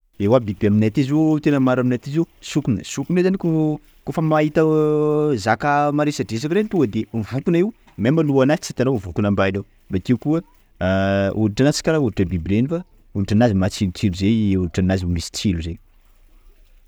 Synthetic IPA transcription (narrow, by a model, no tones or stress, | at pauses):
ewabibaminat̪izet̪enəmaɾaminat̪izewsukunə̰sukunezaniko | kofəmait̪ə | zakəmaɾesaɖ͡ʐesakɾent̪uŋɡəd̪evokunaiw | mamaluanai̥t͡sit̪anovokunambainow | bat̪iwkuə | unʈ͡ʂanat͡si̥kʲaɾauʈ͡ʂəbibɾenifa | uniʈ͡ʂanazimat͡silut͡siluzeuʈ͡ʂanazimilisi̥t͡siluze